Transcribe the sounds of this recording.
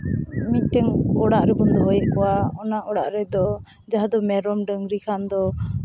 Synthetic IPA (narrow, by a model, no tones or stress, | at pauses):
miʈɛŋɔɽaʔɾɛkɔnd̪ɔɦɔjɛʔkɔwaɔnaʔɔɽa̰ʔɾɛd̪ɔ | d͡ʒaɦad̪ɔmɛɾɔmɖəŋɡɾikʰand̪ɔ